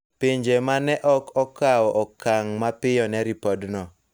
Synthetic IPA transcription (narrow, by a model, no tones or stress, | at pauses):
piɲd͡ʒemanɛʔɔkɔkawɔʔɔkaŋmapɪjɔnɛɾipɔdnɔ